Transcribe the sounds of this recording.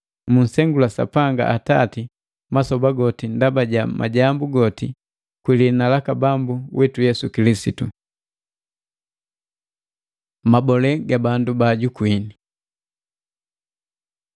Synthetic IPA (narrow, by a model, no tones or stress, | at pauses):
mun̩sɛŋɡulasa̰paŋɡa̰ʔatati | masɔbaɡɔtindabaɟama̰ɟambuɡɔti | kwilinalakabambuwʔɛtujɛsukilisitu | mabɔlɛɡabandubaɟukwini